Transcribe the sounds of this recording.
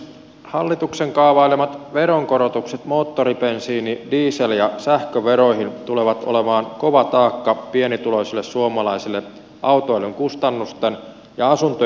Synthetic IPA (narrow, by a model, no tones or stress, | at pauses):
hɑlːit̪ukseŋkɑːʋɑilemɑt̪ʋe̞ɾoŋko̞ɾot̪ukset̪mo̞ːt̪ːoɾipensiːnidiːseljɑsæhkøʋeɾo̞jɦint̪ule̞ʋɑt̪o̰le̞mɑːnko̞ʋɑt̪ɑːkːɑpienit̪ulo̞isilːessuomɑlɑijsilːe | ʔɑwt̪oelːeŋkust̪ɑnːust̪en | jɑɑsunt̪o